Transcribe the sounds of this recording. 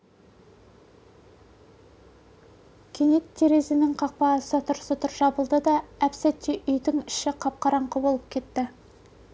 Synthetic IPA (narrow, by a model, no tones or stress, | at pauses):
kʲʰenet̪ʰːeɾe̞zɪnɪŋqʰɑq̚pɑsət̪ʰʊɾsət̪ʰʊɾʒɑbəlˠd̪əd̪ɑæpsæt̪ːeʔʏjd̪ɪŋɪʃɪqʰɑp̚qɑɾɑɴqəbo̞lˠəp̚kʲʰe̞t̪ːɪ